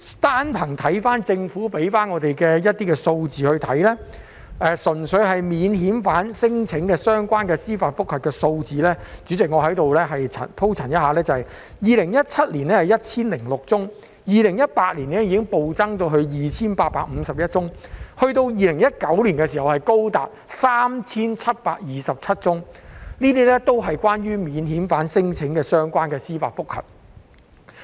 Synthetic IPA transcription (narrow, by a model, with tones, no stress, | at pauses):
t̪aː˥npʰɐ˨˩ŋt̪ʰɐ˨˥jfaː˥nt͡sɪ˧ŋfuː˨˥pe˨˥jfaː˥nŋɔː˨˧t̪e˨jkɛː˧jɐ˥t̪ːiː˥kɛː˧so˧wt͡siː˨hɵ˧ɥt̪ʰɐ˨˥jlɛː˥ | ʔɛː˧sɵ˨˩nsɵ˨˧ɥɦɐ˨jmiː˨˧nɦiː˨˥nfaː˨˥nsɪ˥ŋt͡sʰɪ˨˥ŋkɛː˧sœː˥ŋkʷaː˥nkɛː˧siː˥faː˧t̚fʊ˥k̚hɐ˨˩kːɛː˧so˧wt͡siː˨lɛː˥t͡syː˨˥t͡sɪ˨k̚ŋɔː˨˧ɦɐ˨˥jt̪o˨wlɛː˥ɦɐ˨jt͡sʰɐ̰˨˩pʰo˥wt͡sʰɐ˨˩njɐ˥t̚haː˨˧lɛː˥t͡sɐ˨hɐ˨j | jiː˨lɪ˨˩ŋjɐ˥t̚t͡sʰɐ˥t̚liː˨˩nlɛː˥hɐ˨jɐ˥t̚t͡sʰiː˥nlɪ˨˩ŋlʊ˨k̚t͡sʊ˥ŋ | jiː˨lɪ˨˩ŋjɐ˥t̚paː˧t̚liː˨˩nɛː˥jiː˧kɪ˥ŋpo˨˧wt͡sɐ˥ŋt̪o˧wɦɵ˧ɥjiː˨t͡sʰiː˥npaː˧t̚paː˧k̚m̩˨˧sɐ˨p̚jɐ˥t̚t͡sʊ˥ŋhɵ˧ɥt̪o˧wjiː˨˧lɪ˨˩ŋjɐ˥t̚kɐ˨˥wliː˨˩nkɛː˧s̬iː˨˩hɐ˨˩whɐ˨˩jko˥wt̪a̰ː˨p̚saː˥mt͡sʰiː˥nt͡sʰɐ˥t̚paː˧k̚jiː˨sɐ˨p̚t͡sʰɐ˥t̚t͡sʊ˥ŋniː˥t̪̬iː˥lɛ˥t̪o˥wɦɐ˨jkʷaː˥nɥyː˥miː˨˧nɦiː˨˥mfaː˨˥nsɪ˥ŋt͡sʰɪ˨˥ŋkɛː˧sœː˥ŋkʷaː˥nkɛː˧siː˥faː˨tfʊ˥k̚hɐ̰˨˩p̚